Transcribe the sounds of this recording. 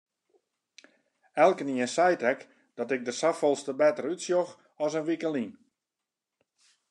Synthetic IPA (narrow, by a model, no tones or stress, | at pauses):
ɛlˠkəniənsɛjtɛk | d̥ɔtɪk̚dəsafɔlˠstəbɛtərytsjox | ɔsənʋikəlin